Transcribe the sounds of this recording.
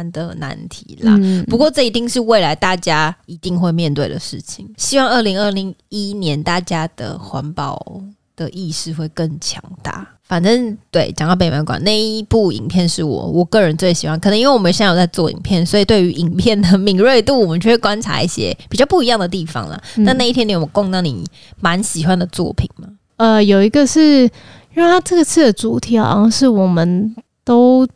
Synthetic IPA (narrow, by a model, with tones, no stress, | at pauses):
nd̪ə˨na̰˧˥nt̪ʰḭ˨˩˦lɐ̰˨pu˧˥kwɔ˥˧ʈ͡ʂɤ˥˩i˧t̪i˥˧ŋʂɻ̩˥˧we˥˩ɪla˧˥ɪt̪a˥˩t͡ɕja˥i˧˥t̪i˥˧ŋxwe˥˧ɪmjɛ˥˧nt̪we˥˩ɪd̪ə˩ʂɻ̩˥˩t͡ɕʰi˨˩˦ŋɕi˥wɑ˥˧ŋə˥˩li˧˥ŋə˥˩li˧˥˦ŋi˥njɛ˧˦nt̪a˥˩t͡ɕja˥d̪̥ə̰˨xwa˧˥npɑ˨˩ʊ | d̪̥ə˨ʔi˥˧ʂɻ̩˥˧xwe˥˧ɪkə˥˩ŋt͡ɕʰjɑ̰˧˥ŋt̪a̰˥˩ | fa˨˩nʈ͡ʂə˥˦˥ŋt̪we˥˩ɪt͡ɕjɑ˨ŋ˥˩pe˨˩ɪma˧˥ɪkwa̰˨˩na˥˩ɪi˥pu˥˩ḭ˨˩ŋpʰjɛ˥˧nʂɻ̩˥˩wɔ̰˨˩wɔ˨˩kɤ˥˩ɻə˧˦nt͡swe˥˩ɪɕi˨˩xwa˥nk̪ʰɤ˧˦ŋi˥nwe˥˩wɔ˨mə˦˧˩ɕjt͡sa˥˧ɪt͡swɔ˥˩ḭ˨˩ŋpʰjɛ˥˩nswɔ˧˥i˨˩t̪we˥˩ɪy˧˥ʔi˨˩ŋpʰjɛ˥˩nd̪ə˩mi˨˩ŋɻwe˥˧ɪt̪u˥˩wɔ˨˩mə˨˦nt͡ɕʰɥɛ˥˩ɻ̩˥˩kwa˥nʈ͡ʂʰa̰˧˥ḭ˥˩ɕjɛ̰˥pi˨˩t͡ɕjɑ˥ʊpu˥˩i˧jɑ˥˩ŋd̪ə˩t̪i˥˩fɑ̰˦ŋlə̰˨na˥˧na˥˧i˥t̪ʰjɛ˥ni˧˥˩ɔ˨˦ko˥˧ŋnɑ˥˩ŋnḭ˨˩ | ma˧˦nɕi˨˩xwa˥nd̪ə˨t͡swɔ̰˥˨pʰi˨˩ŋmɐ˩ | ə˧jo˨˩ʊi˧˥ɡə˧ʂɻ̩˥˩ | ɻt̪ʰa˥ʈ͡ʂɤ˥˩ɡə˩t͡sʰɹ̩˥˩d̪ə˩t͡su˨˩t̪ʰi˨˩a̰˨˥˧ʂɻ̩˥˩wɔ˨˩mə˦nt̪o˥ʊ